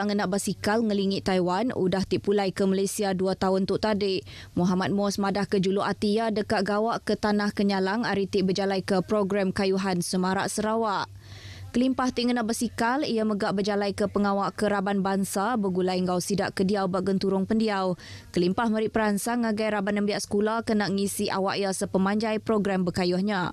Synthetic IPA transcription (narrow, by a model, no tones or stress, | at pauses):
aŋənaʔbasikalŋəliŋɪʔt̪ːajwanṵdaht̪iʔpulajkəmalajsiaduat̪aʊnt̪ʊʔt̪adɪʔ | muɦamat̪̚mɔsmadahkəd͡ʒuluʔat̪ijadəkaʔɡawaʔkət̪anahkəɲalaŋaɾit̪ɪʔbəd͡ʒalajkəpɾɔɡɾamkajuɦansəmaɾa̰ʔsəɾawaʔ | kəlimpaht̪iʔŋənaʔbəsikalijaməɡaʔbəd͡ʒalajkəpəŋawaʔkəɾabanbaŋsabəɡulaiŋɡawsidaʔkədiawbaʔɡənt̪uɾʊŋpəndiawkəlimpahməɾɪʔpəɾansaŋaɡajɾabanəmbiaʔsə̥kulakənaʔŋisiʔa̰wa̰ʔjasəpəmãɲd͡ʒajpɾoɡɾambəkajʊhɲa